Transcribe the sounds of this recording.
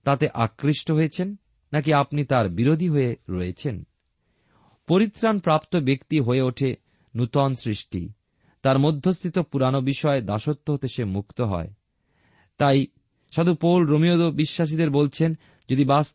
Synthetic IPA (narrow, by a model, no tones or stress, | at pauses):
t̪at̪eʔakɾiʃʈoɦojet͡ɕʰenː | ak̬iapnit̪aɾbiɾod̪ʱiɦoeɾoet͡ɕʰen | poɾit̪ːɾanpɾapt̪obekt̪iɦoeoʈʰe | nut̪ɔnsɾiʃʈḭ | t̪aɾmod̪ʱːost̪ʰit̪opuɾanobiʃɔed̪aʃot̪ːoɦot̪eʃemukt̪oɦɔ̰e | t̪aj | ʃod̪ʱupowlɾomiod̪obiʃːaʃ̬id̪eɾbolt͡ɕʰen | d͡ʑod̪ibas